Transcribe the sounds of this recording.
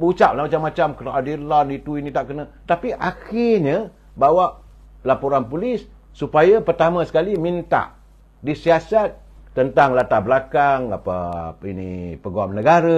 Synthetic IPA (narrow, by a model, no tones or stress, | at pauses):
but͡ʃap̚lamat͡ʃamːat͡ʃamkəɾʔadilanit̪uinit̪aʔkənã | t̪apiʔaxɪrɲa | bawaʔ | lapuɾanpulɪsː | upajapərt̪amãsə̥kalimint̪a̰ʔ | disiasat̪̚ː | ənt̪aŋlat̪ahbəlakaŋa̰pa̰inḭpəɡuamnəɡaɾə